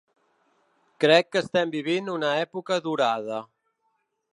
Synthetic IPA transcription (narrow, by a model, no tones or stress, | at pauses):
kɾɛkːəːst̪ɛmbiβ̞inunəɛpukəðuɾað̞ə